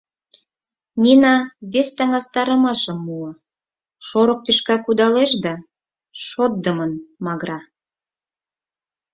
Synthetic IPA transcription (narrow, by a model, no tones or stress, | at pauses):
nʲinɑβest̪ɑŋɑst̪ɑɾə̆mɑʃəmːuə | ʃoɾŏk̚t̪yʃkɑkud̪ɑleʃd̪ɑ | ʃot̪̚d̪əmənmɑɣɾɑ